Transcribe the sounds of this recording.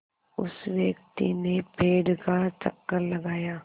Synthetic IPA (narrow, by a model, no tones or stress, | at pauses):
ʊ̰sʋjɐk̚t̪inepeːɖkat͡ʃɐ̰kːəɾlɐɡaːjaː